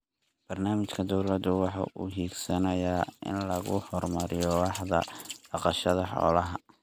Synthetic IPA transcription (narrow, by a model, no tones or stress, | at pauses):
b̥ɐrnaːmɪt͡ʃkʰɐd̪ɔwlɐd̪ʊwɑħɑ̰ʔʊ̰ɦiːɡsɐnɐjaːɪ̰nlɐɣʊ̰hɔrmɐɾɪjɔwɑħðɐ̰b̥ɑqɑʃɐðɐħɔ̰ːlɐɦɐ